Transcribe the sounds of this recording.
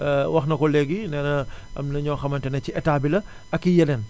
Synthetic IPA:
wɐxnɐkɔleɡinɛːnɐ | ɐ̰mnɐɲɔːxɐmɐntɐnɐt͡ʃːiʔɛtaːbilɐ | ɐkːijɐnɛn

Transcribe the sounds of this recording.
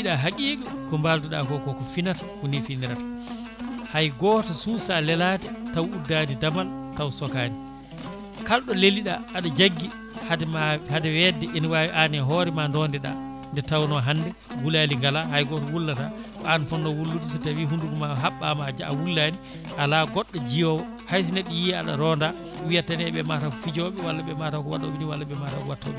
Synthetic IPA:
ɗaɦakiːkɔkɔmbalduɗa̰kɔkɔkɔfinatḁhunifiniɾatḁ | hajɡɔtasusalɛlatɛtawudːadidamaltawsɔkaːni | kalɗɔleliɗaʔːɗɔd͡ʒaɡːi | hadɛmahadɛwɛdɛʔinwaʔanɛɦɔɾɛmandɔndɛɗa̰ | ndɛtawnɔɦandɛ | ɡulaliŋɡalaɦajɡɔtɔwulːatakɔanfɔnːɔwulːutisɔtawiɦunduɡɔmaɦaɓːamad͡ʒaa̰wulːani | ʔalaɡɔɗːɔd͡ʒijɔwɔ | hajs̬inɛɗijia̰ɗa̰ɾɔnda | wijatːanɛɓɛmatakɔfid͡ʒɔɓɛwalːaɓɛmatakɔwa̰ɗɔɓiniwalːaɓɛmatakɔwatːɔ̰ɓɛ

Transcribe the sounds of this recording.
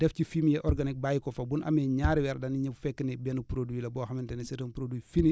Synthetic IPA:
d̥ɛfcifimjɛʔɔɾɡanik̚bajikɔfɐbunʔɐ̰mɛɲaːɾiwɛɾdɐniɲəffɛkːinɛbɛnupɾoduwilɐbɔxɐmintɛnɛsiɾɐnpɾoduifini

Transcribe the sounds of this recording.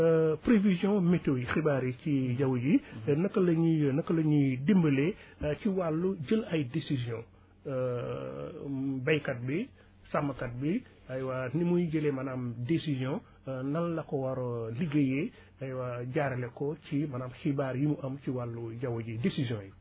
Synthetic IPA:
pɾevizjɔ̃mɛtojixibaːɾiciɟɐwuɟinɐkːəlɐɲunɐkːəlɐɲudimbəleciwalːuɟəlɐjdesizjɔ̃ | bɐjkɐt̚bi | samːɐkɐt̚bi | ɐjwanimujɟəlɛmɐnamdesizjɔ̃ | nɐlːɐkɔwɐɾɔliɡeje | ɐjwaɟaːɾɛlɛkɔcimɐnaːmxibaːɾjimuʔɐmciwalːuɟɐwuɟidesizjɔ̃ji

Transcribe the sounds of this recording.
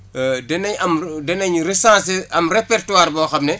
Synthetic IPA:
dɛnɐɲɐmdɛnɐɲresãːseɐmrepɛrtuwaːɾbɔːxɐmnɛ

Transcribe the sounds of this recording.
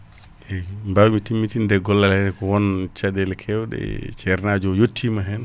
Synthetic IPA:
ʔɛmbawmitimːitindɛɡɔlːalɛɾɛkɔwɔnt͡ʃadɛlkʰɛwɗɛ̰t͡ʃɛɾnad͡ʒɔjotʰːimaɦɛn

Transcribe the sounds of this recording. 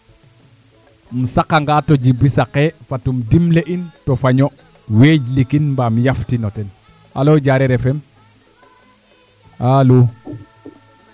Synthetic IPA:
musakaŋɡatɔɟibisakefatumdimleʔintɔfaɲɔ | weɟlikinmbamijaftinɔtɛn | a̰loɟaɾɛɾɛfɛm | alu

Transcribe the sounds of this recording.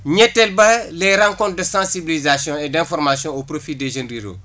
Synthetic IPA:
ɲɛtːɛlbɐlɛɾãŋkɔ̃nt̚dəsãsibilizasjɔ̃edɛ̃fɔɾmasjɔ̃opɾofideʒə̃nɾiɾo̰

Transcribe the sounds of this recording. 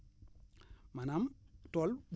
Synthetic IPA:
manamtɔlb

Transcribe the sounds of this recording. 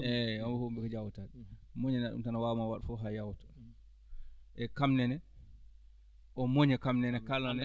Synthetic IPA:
ɛɔmbɛhumbɛkɔd͡ʒawtaɗmoɲɛnaɗṵmtanawawmawaɗfɔɦajawtɔ̥ | ʔɛkamnɛnɛ | ʔɔmoɲɛkamnɛnɛkalːanɛ

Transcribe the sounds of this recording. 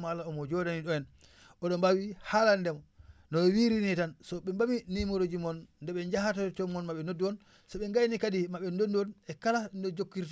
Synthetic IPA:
malaɔmɔd͡ʒɔdaniɗɔjɛn | ɔɗɔmbawihalandɛmɔnɔwiɾinitansɔɓɛmbawinimoɾod͡ʒimɔnːdɛɓɛɲd͡ʒaɦatat͡ʃɔmɔnmaɓɛnodːuɔn | sɔɓɛŋɡajnikaɗimaɓɛnoduɔnɛkalandɛd͡ʒokːiɾt

